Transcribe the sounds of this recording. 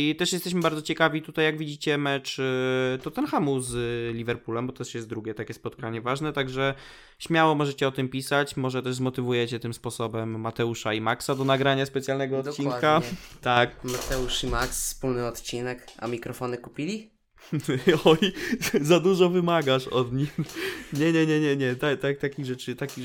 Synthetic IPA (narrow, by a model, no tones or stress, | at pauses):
t̪ɛʂjɛst̪ɛɕmɘbaɾd̪zɔt͡ɕɛkavʲit̪ut̪ajːaɡvʲid͡ʑit͡ɕɛmɛt͡ʂt̪ɔt̪ɛnxamuzlʲivɛɾpulɛmbɔt̪ɛʂjɛst̪̚d̪ɾuɡʲɛt̪akʲɛspɔt̪kaɲɛvaʐnɛt̪aɡʐɛ | ɕmʲjawɔmɔʐɛt͡ɕɛɔt̪ɘmpʲisat͡ɕmɔʐɛt̪ɛʐzmɔt̪ɘvujɛt͡ɕɛt̪ɘmspɔsɔbɛmːat̪ɛuʂaimaksad̪ɔnaɡɾaɲaspɛt̪sʲjalnɛɡɔɔt̪t͡ɕinkat̪akmat̪ɛuʂimaksffspulnɘɔt̪t͡ɕinɛka̰mʲikɾɔfɔnɘkupʲilʲi | ɔjzad̪uʐɔvɘmaɡaʂɔd̪ɲixɲɛɲɛɲɛɲɛɲɛt̪at̪ak̚t̪akʲiɣʐɛt͡ʂɘt̪akʲi